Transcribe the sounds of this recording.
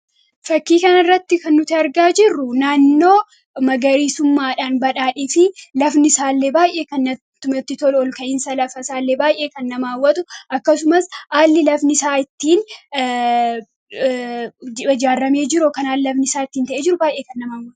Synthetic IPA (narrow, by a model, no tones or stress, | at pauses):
fɐkːiːkɐnɪrːɐt̪ːɪkɐnːʊt̪ɪɐɾɡaːd͡ʒɪrːʊnaːnːo̞ː | mɐɡɐɾiːsʊmːaːᶑaːnbɐᶑaːᶑeːfɪlɐfnɪsaːlːeːbaːjʔe̞ːkɐnːɐ | t̪ːʊmɛt̪ːɪt̪ɔlɔlkɐʔɪnsɐlɐfɐsaːlːeːbaːjʔe̞ːkɐnːɐmaːwːɐt̪ʊʔɐkːɐsʊmɐsaːlːɪlɐfnɪsaːɪt̪ːiːn | ɪd͡ʒaːrːɐme̞ːd͡ʒɪɾɔkɐnaːlɪlɐfnɪsaːɪt̪ːiːnt̪ɐʔeːd͡ʒɪɾʊbaːjʔeːkɐnːɐmaːwːɐ